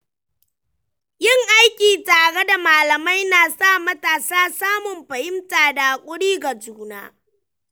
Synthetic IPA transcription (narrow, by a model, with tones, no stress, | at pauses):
jɪ˦˨ŋʔa˦jkʲiː˨taː˨ɽe˦da˨maː˨lɐ˨ma˦jnaː˨sa˦˨mɐ˦taː˨saː˦saː˦mʊ˨mɸɐ˨hɪ˦mtaː˨daː˨kʷʼʊ˦ɽiː˦ɡa˨d͡ʒuː˦na̰ː˦